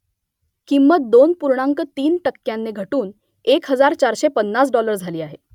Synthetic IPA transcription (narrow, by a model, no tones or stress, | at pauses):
kimːət̪̚d̪onpuɾɳaŋkət̪iːnʈəkːjanːeɡʱəʈuːn | ekɦəd͡zaɾt͡ɕaɾɕepənːasɖɔləɾd͡zʱaliːaɦe